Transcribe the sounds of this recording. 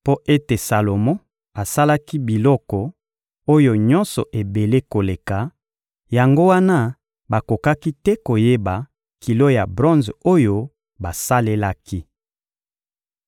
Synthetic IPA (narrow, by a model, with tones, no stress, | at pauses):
po˦ʔe˦te˨sa˨lo˨mɔ̃˦ | a˨sa˦la˦ki˦bi˨lɔ˦kɔ˨ | o˦jo˦ɲɔ̃˦nsɔ̰˨ʔe˨be˨le˦ko˨le˨ka˨ | ja˨ŋɡo˦wa˦na˦ | ba˨ko˨ka˦ki˦tɛ˦ko˨je˦ba˨ | ki˨lo˦ja˨bʁɔ̃˦nzo˦jo˦ | ba˨sa˦le˦la˦ki˦